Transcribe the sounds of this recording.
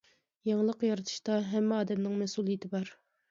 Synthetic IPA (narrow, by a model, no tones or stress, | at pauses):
jɑŋlˠəqjɑɾɨt̪ʰu̥ʃt̪ɑɦɛmːɪɑːd̪ɛmnɪŋmɛsulˠijɪt̪ʰɪbɑɾ